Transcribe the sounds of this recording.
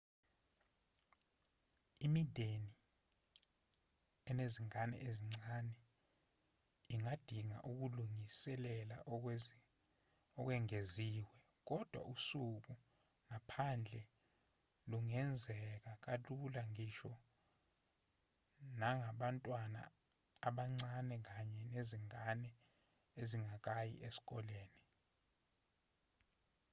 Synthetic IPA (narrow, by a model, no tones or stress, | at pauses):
imid̥ʱeni | ɛneziŋanɛ̰ʔeziŋ͡ǀanɛ | iŋad̥ʱiŋa̰ʔuk̬uluŋisɛlɛla̰ | ɔk̬wɛŋeziːwɛ | k̬ɔd̥ʱwa̰ʔusuk̬u | ŋapʰand͡ɮʱɛ | luŋɛnd͡zʱɛk̬ak̬ʼalulaŋiʃɔ | naŋaɓantʼwana̰ː | ɓaŋ͡ǀanɛk̬aɲɛneziŋanɛ | eziŋak̬ajḭʔesi̥k̬ʼɔleːni